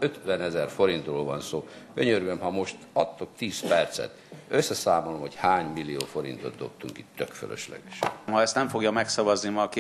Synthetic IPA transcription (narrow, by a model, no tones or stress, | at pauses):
øt̪ʋɛnɛzɛrfo̞ɾint̪roːlvɒnsoːɡ̥øɲørɡømhɒmo̞ʃt̪ɒt̪ːo̞kt̪iːspɛrt̪sɛ̰t̪øsːɛsaːmolomho̞chaːɲmilːijo̰ːfo̞ɾḭnt̪o̞t̪̚d̪o̞̰p̚t̪uŋkit̪ːøkfø̰lø̰ʃlɛ̰ɡ̥ɛʃmɦɒɛst̪nɛmfo̞ɡjɒmɛksɒvɒznimɒk